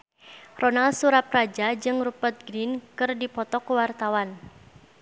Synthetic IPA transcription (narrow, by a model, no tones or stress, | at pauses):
rɔnalsuɾap̚rad͡ʒad͡ʒɨŋrupət̪̚ɡɾinkɨrdipɔt̪ɔkuwart̪awan